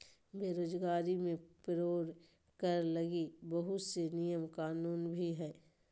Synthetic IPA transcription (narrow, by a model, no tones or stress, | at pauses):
beːɾoːzɡaːɾimẽpɾoːɾ | kəɾlɐɡibɐɦʊt̪senijəmkaːnuːnbʱiɦɛː